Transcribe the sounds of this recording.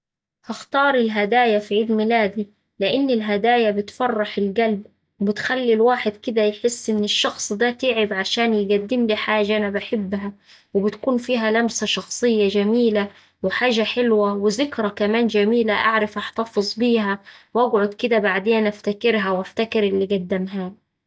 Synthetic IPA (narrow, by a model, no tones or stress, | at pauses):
hɑxt̪ɑːɾˤɪlɦad̪aːjafiʕiːd̪mɪlaːd̪i | lɪʔɪnːɪlɦad̪aːjabɪt̪fɑrˤːɑħɪlɡalb | wbɪt̪xalːilwaːħɪd̪kɪd̪æjħɪsːʔɪnːɪʃːɑxsˤd̪æːt̪ɪːʕɪbʕaʃaːnjɪɡad̪ːɪmliħaːʒaʔanabaħɪbːɦæ | wɪbɪt̪kuːnfiːɦælamsæʃɑxsˤɨjːad͡ʒæmiːla | wɪħaːʒaħɪlwawɪzɪkɾˤɑkæmaːnd͡ʒæmiːlaʔa̰ʕɾɪfʔaħt̪ɑfɨzˤbiːɦæwʔæɡʕoʊd̪kɪd̪æbaʕd̪eːnʔaft̪akɪɾɦæwʔaft̪akɪɾɪlːiɡæd̪ːɪmɦaː